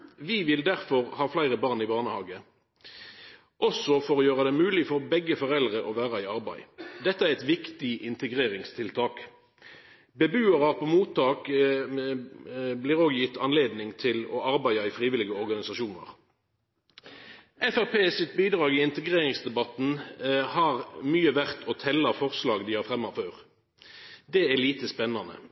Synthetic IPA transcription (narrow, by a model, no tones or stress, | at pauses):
ʋɪʋɪld̪æʁfɔʁhɑːflæɪʁəbɑʁnɪbɑːʁnəhɑ̰ːɡə | ʔɔsɔfɔʁoːjøːʁɑd̪ɛmʉːlɪfɔʁbɛɡːəfɔʁɛld̪ʁəʔɔʋæːʁɑɪɑʁbæɪd̪ɛt̪ːəæʁɛt̪ʋɪkt̪ɪʔɪnt̪əɡʁeːʁɪŋst̪ʰɪlt̪ʰɑːk | bɛbʉːɑʁɑʁpɔmuːt̪ːɑːk | blɪːʁoːɡjɪt̪ːɑnleːd̪nɪŋt̪ʰɪlɔ̰ʔɑʁbæɪɑɪfʁiːʋɪlɪɡəɔʁɡɑnɪsɑʃuːnə̰ʁ | ɛfæʁpʰeːsɪt̪̚biːd̪ʁɑːɡɪɪnt̪əɡʁeːʁɪŋsd̪ɛbɑt̪n̩hɑʁmyːəʋæʁt̪ʰɔt̪ʰɛlːɑfɔʁslɑːɡd̪iːhɑːʁfʁɛmːɑføːʁ | d̪ɛːæliːt̪əspɛnːɑnə̰